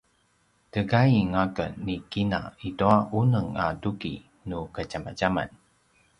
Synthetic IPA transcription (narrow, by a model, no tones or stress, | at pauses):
təɡajiŋaɡə̰nnːikina̰ituaʔunəŋa̰duɡḭ | nukəɟama̰ɟama̰n